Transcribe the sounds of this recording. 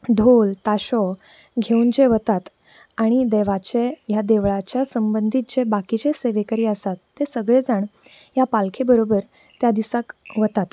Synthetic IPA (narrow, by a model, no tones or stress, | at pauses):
ɖʱolt̪aɕɔ | ɡʱeund͡ʑeʋət̪at̪ | aɽ̃id̪eʋat͡ɕejad̪eʋɭat͡ɕjasəmbənd̪ʱit̪̚d͡ʑebakit͡ɕeseʋekəɾiːəsat̪ːesəɡɭed͡zaɳ | japalkʰebəɾobəɾ | t̪jad̪isakʋət̪at̪